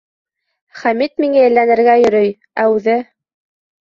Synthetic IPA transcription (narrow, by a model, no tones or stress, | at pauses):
χæmit̪̚miŋæjɘ̆lːænɘ̆ɾɡæjɵ̆ɾɵj | æʉðɘ